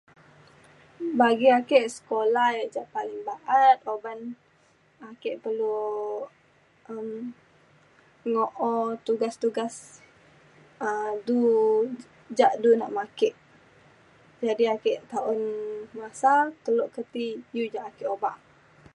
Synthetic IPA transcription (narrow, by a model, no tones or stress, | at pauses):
baɡiakeʔsə̥kolahjaʔd͡ʒaʔpalɪŋbaʔat̪̚oban | akeʔpərlu | ʔəm | ŋoʔot̪uɡast̪uɡas | ədu | d͡ʒaʔduna̰ʔmakeʔ | d͡ʒadiakeʔt̪aʊnmasat̪əloʔkət̪ijud͡ʒaʔakeʔobaʔ